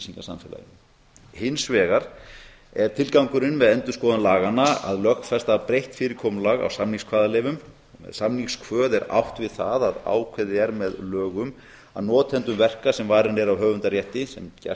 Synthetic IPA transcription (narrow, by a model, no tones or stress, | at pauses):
siŋkasa̰mfɛːla̰j | hɪnsvɛːɣaɾ | ɛɾ̥t̪ʰɪlkawŋkʏɾɪnmɛðɛnt̪ʏ̥skɔːðʏnlaːɣanːaa̰ðlœxfɛst̪apɾejht̪fɪːɾɪkʰɔːmlaɣa̰wsamniŋskʰvaːðalɛːvʏm | ɔmɛ̰ðsamnikskʰvœːðɛɾa̰wht̪vɪðθaðaða̰ːwkʰvɛðɪɛɾmɛðlœːɣʏm | a̰ðnɔːt̪ʰɛnt̪ʏmvɛr̥kasɛmvaːjɾɪnɛɾawɦœːɣvʏnt̪arjɛht̪ɪsɛmcɛ̰